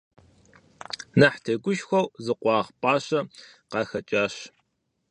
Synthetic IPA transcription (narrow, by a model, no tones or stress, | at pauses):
nɐħtʰɐɡʷʊʃxʷɐwzɨqʷʼɑːʁpʼɑːɕɐ | qɑːxɐt͡ʃʼaːɕ